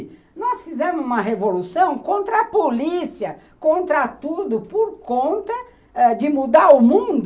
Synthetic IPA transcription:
nɔsfizɛ̃mʊzũmɐɦevolusɐ̃w̃kõnt̪ɾɐːpolisiɐ | kõnt̪ɾɐt̪ud̪ʊpoɾkõnt̪ɐ | ɛd͡ʒɪmud̪aɾʊmũd̪

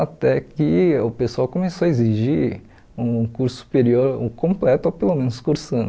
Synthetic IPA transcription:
at̪ɛkɪʊpesuawkõmesoɐeziʒi | ũkuɾsʊ̥su̥peɾioɾo̰kõmplɛt̪ʊopelomẽnʊskuɾsɐ̃n

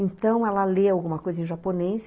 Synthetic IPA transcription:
ẽnt̪ɐ̃w̃ɛlɐleawɡũmɐkojzɐẽʒaponejs

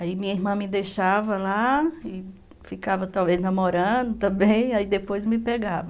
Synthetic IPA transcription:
aimĩɲɐiɦmɐ̃mɪd̪ejʃavɐlaɪ | fikavɐt̪awveznɐ̃moɾɐ̃d̪ʊt̪ɐ̃bẽj̃aid̪epojzmɪpeɡavɐ

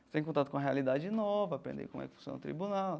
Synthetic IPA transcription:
t̪ẽkõt̪at̪ʊkõɐɦealid̪ad͡ʒɪnɔvɐapɾḛ̃nd̪ḛkõ̰mʊɛkɪfũsjõ̰nʊ̰t̪ɾḭbunaw

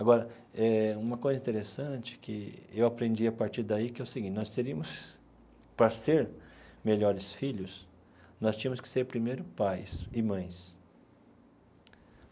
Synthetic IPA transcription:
aɡɔɾɐ | ɛũmɐkojzɐĩt̪eɾesɐ̃t͡ʃɪ̥kɪewapɾẽnd͡ʒiɐpaɾt͡ʃiɾd̪aikɪɛʊsɪɡĩt͡ʃnɔst̪eɾiɐ̃mʊs | pɾɐseɾmeʎɔɾɪsfiʎʊs | nɔst͡ʃĩɐmʊskɪ̥seɾpɾimejɾʊpajsɪmɐ̃j̃s

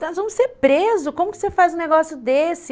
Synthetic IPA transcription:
ɐ̃zvɐ̃mʊseɾpɾezʊkõmʊkɪ̥sefajzʊ̃neɡɔsjʊd̪esɪ

